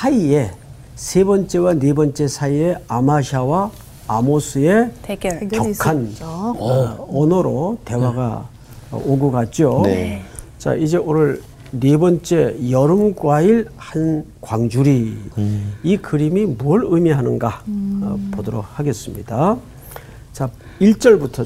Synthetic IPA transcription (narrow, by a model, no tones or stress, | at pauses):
sʰaie̞ | sʰebʌnt͡ɕ͈e̞wanebʌnt͡ɕ͈e̞sʰaie̞amaɕʰawaː | mosʰɯe̞ | kʌkʰan | ʌnʌɾote̞waɡa̰ | oɡɯɡat̚t͡ɕ͈io | t͡ɕa̰ʔid͡ʑe̞onɯɭ | ne̞bʌnt͡ɕ͈e̞jʌɾɯmɡwaiɭhankwaŋd͡ʑuɾi | ikɯɾimimuʌɾɯmiɦanɯnɡa | podoɾok̚haɡe̞s͈ɯmɲida | t͡ɕa | iɭt͡ɕ͈ʌɭbutʰʌ